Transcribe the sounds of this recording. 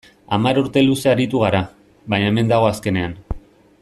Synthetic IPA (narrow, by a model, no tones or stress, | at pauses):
amaɾuɾt̪e̞luse̞aɾit̪uɣ̞aɾa | βaɲaeme̞nd̪aɣ̞o̞aske̞ne̞an